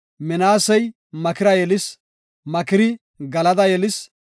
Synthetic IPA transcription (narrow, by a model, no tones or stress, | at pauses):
mɛnaːsɐj | mɐkɪɾɐjɛlɪs | mɐkɪɾɪ | ɡɐlɐd̪ɐjɛlɪs